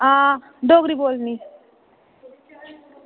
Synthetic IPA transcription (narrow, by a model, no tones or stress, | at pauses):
ã | ɖoɡɾibolni